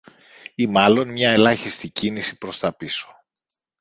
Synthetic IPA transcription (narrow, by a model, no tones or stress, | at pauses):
imɐlo̞nmɲɐe̞lɐçist̪icinisipɾo̞st̪ɐpiso̞̥